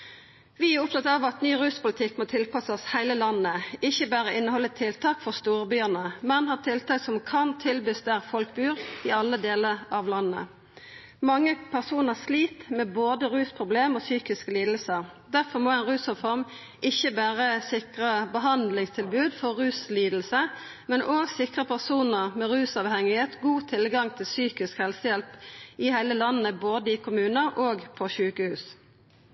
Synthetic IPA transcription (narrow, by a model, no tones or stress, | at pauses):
ʋɪæʁʊp̚t̪ʰɑt̪ɑʋɑt̪nyːʁʉːspʊlɪt̪ʰɪkːmoːt̪ʰɪlpɑsəshæɪləlɑnːəɪçːəbæːʁəʔɪnːəhɔlːət̪ʰɪlt̪ʰɑːkfɔʁst̪uːʁbyːəʁnəmɛnhɑːʁt̪ʰɪlt̪ɑːksɔmkʰɑnt̪ʰɪlbʉːst̪æʁfɔlkbyːʁɪɑlːəd̪eːləʁɑʋlɑnːə̰ | mɑŋːəpʰæʁsuːnəʁsliːt̪mɛːboːd̪əʁʉːspʰʁʊbleːmoːsyːkɪskəliːd̪lsəʁd̪æʁfɔʁmoːɛnʁʉːsʊfɔʁm | ʔɪçəbæːʁəsɪkʁəbəɦɑnd̪lɪŋst̪ʰɪlbʉːd̪fɔʁʉːsliːd̪l̩sə | mɛnʔoːɡsɪkʁəpʰæʁsuːnəʁmɛʁʉːsɑʋhɛŋɪheːt̪ɡuːt̪ʰɪlɡɑŋt̪ʰɪlsyːkɪskhɛlsəjɛlpʔɪhæɪləlɑnːəboːd̪əɪkʰʊmʉːnəʁoːɡpʰɔçʉːkəhʉːs